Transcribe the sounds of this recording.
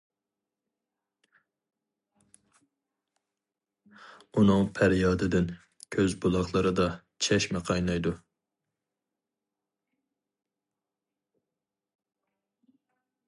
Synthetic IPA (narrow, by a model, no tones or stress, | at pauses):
unɨŋpʰæɾjɑːd̪ɪd̪ɪn | kʲʰøzbulˠɑχlˠɨɾɨd̪ɑ | t͡ʃʰɛʃmɛqʰɑjnɑjd̪u